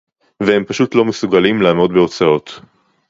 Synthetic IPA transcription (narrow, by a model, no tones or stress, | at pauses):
vehe̞mpaʃutlo̞mesuɡalimlaːmo̞dbeo̞t͡sao̞t̪